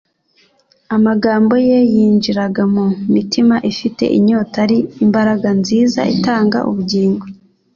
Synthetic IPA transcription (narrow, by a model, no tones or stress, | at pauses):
amaɡaːmbo̞jejiːnd͡ʒiɾaɡamumitʰimaʔifite̞̰ʔiɲo̞taɾiimbaɾaɡanziːza̰ʔḭtaːŋɡa̰ʔṵβuɟiːŋɡo